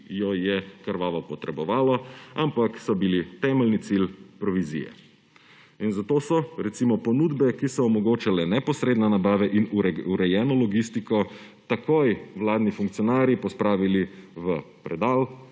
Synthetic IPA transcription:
jɔjɛkəɾʋaːʋɔpɔt̪ɾɛbɔʋaːlɔampaksɔbilit̪ɛːmɛlnit̪silpɾɔʋizḭjɛ̰ | inzat̪oːsɔɾɛt̪siːmɔpɔnud̪bɛkisɔːmɔɡoːt͡ʃalɛnɛpɔsɾeːd̪nanabaːʋɛʔinuɾɛjɛːnɔlɔɡist̪ikɔ | t̪akojwlaːd̪nifuŋk̚t̪iɔnaːɾjipɔspɾaːʋiliʋəpɾɛd̪aːl

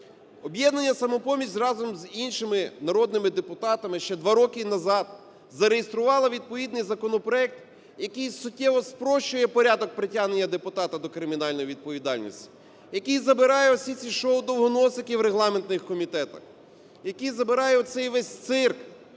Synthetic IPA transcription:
ɔbjɛd̪nɐnʲːɐsɐmʊpɔmʲisʲrɑzɔmzinʃɪmɪnɐɾɔd̪nɪmɪd̪epʊt̪ɑt̪ɐmɪʃt͡ʃɛd̪ʋɑɾɔkɪnɐzɑd̪ | zɐɾejest̪ɾʊʋɑlˠɐʋʲid̪̚pɔʋʲid̪nɪjzɐkɔnɔpɾɔɛk̚t̪ | jɐkɪjsʊtʲːɛʋɔspɾɔʃt͡ʃʊjɛpɔɾʲad̪ɔk̚pɾɪtʲaɦne̞nʲːɐd̪epʊt̪ɑt̪ɐd̪ɔkɾɪmʲinɑlʲnɔjʋʲid̪̚pɔʋʲid̪ɑlʲnʲḭsʲtʲi̥ | jɐkɪjzɐbɪɾɑjɛɔsʲit͡sʲiʃɔʊd̪ɔwɦɔnɔsɪkiwɾeɦlˠɑment̪nɪxkɔmʲit̪ɛt̪ɐ̰x | jɐkɪjzɐbɪɾɑjɛɔt̪sɛjʋɛsʲt̪sɪrk

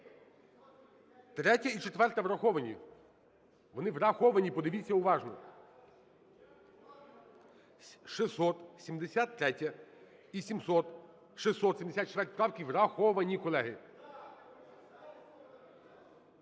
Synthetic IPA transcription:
t̪ɾɛtʲɐit͡ʃet̪ʋɛrt̪ɐʋɾɐxɔʋɐnʲi | ʋɔnɪʋɾɐxɔʋɐnʲipɔd̪ɪʋʲit͡sʲːɐʊʋɑʒnɔ̰ | ʃɪsɔt̪sʲimd̪esʲat̪ːɾɛtʲɐ | isʲimsɔt̪ | ʃɪsːɔt̪sʲimd̪sʲat̪t͡ʃt̪ʋɛrtʲpɾɑwkʲiwrɐxɔʋɐnʲikɔlˠɛɦɪ

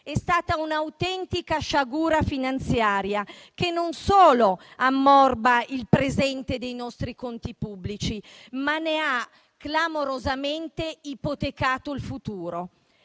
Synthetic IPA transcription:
ɛst̪aːt̪aunawt̪ɛnt̪ikaʃaɡuːɾafinant̪sjaːɾjak̟enːonsoːloamːɔrbailpɾezɛnt̪ed̪ejnɔst̪ɾikont̪ipubːlit͡ʃimanea | klamoɾozament̪eipot̪ekaːt̪oilfut̪uːɾo

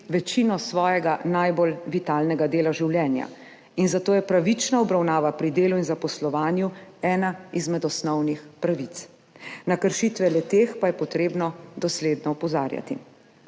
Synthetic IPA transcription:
ʋɛt͡ʃiːnɔsʋɔːjɛɡanajbolʋit̪aːlnɛɡad̪eːlaʒiwljɛːnja̰ | inzat̪oːjɛpɾaʋit͡ʃnaɔbɾawnaːʋapɾid̪eːluinzapɔslɔʋaːnjuɛːnaizmɛd̪ɔsnɔwnixpɾaʋit̪s | nakəɾʃiːt̪ʋɛlɛt̪eːxpajɛpɔt̪ɾeːbnɔd̪ɔsleːd̪nɔɔpɔzaːɾja̰t̪ḭ

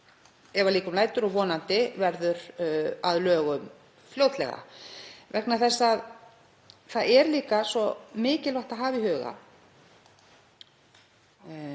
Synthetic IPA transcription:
ɛvaliːkʏmlaːjt̪ʏɾɔɣvɔːnant̪ɪvɛɾðʏɾaðlœːɣʏm | fljoːwt̪lɛ̰ɣa̰vɛknaɾθɛsːað | θaðɛɾliːkasɔmɪːcɪlvaht̪aɦaːvɪɦœːɣa̰

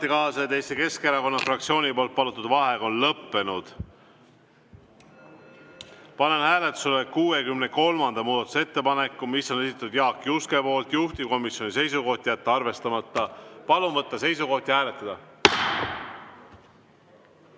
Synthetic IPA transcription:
t̪ːikɑːsɑet̪e̞jst̪eke̞skeɾɑko̞nːɑfrɑk̚t̪sio̞ːnʲipo̞ːlt̪̚pɑlut̪ːˑud̪vɑɦe̞ɡɑo̞nlɤpːe̞nud̪̥ | pɑne̞nhæːle̞t̪ːˑu̥selekuːe̞kymne̞ko̞lmɑnd̪ɑmuːd̪ɑt̪ˑu̥see̞t̪ːe̞pɑne̞kːˑumisːo̞ne̞sit̪ːɑt̪ud̪̥jɑːkːˑjuske̞po̞ːlt̪juht̪iko̞misjo̞nʲise̞jsuko̞ht̪jæt̪ːɑɑrve̞st̪ɑmɑt̪ˑːɑpɑlunvɤt̪ːɑse̞jsuko̞ht̪jɑhæːle̞t̪ːˑɑd̪̥ɑ

